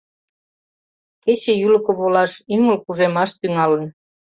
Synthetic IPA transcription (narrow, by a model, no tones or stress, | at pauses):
ket͡ɕejylə̆koβolɑʃyŋəlkuʒemɑʃt̪yŋɑlən